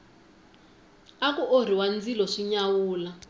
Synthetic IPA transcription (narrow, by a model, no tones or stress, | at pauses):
akuʔor̤iwand͡zilɔʂiɲawuːla